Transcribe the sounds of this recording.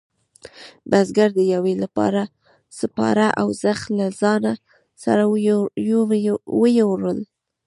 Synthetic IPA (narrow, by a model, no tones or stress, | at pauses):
bazɡaɾd̪əjawelapɑ̰ɾa | səpɑ̰ɾaʔawzaxlazɑna | sa̰ɾa | wəjewɾəl